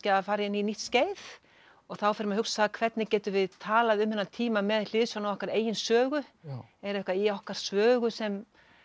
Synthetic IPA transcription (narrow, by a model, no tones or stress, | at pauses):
ɪaðfaːɾɪɪnːiniht̪sceːjθ | ɔɣθawfɛɾɪmahɦʏksaðkʰvɛt̪nɪcɛːt̪ʏvɪðt̪ʰaːlaðʏmːhɪnːat̪ʰiːmamɛðl̥ɪðsjawnawɔhkaɾeːjɪnsœːɣʏ | ɛɾɛhkvaiawhkaɾ̥svœːɣʏsɛm